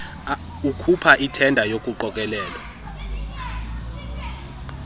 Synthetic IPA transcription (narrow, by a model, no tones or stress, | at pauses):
ukʰupʰaʔitʰɛndʱajokʼuǃɔkʼɛlɛːlɔ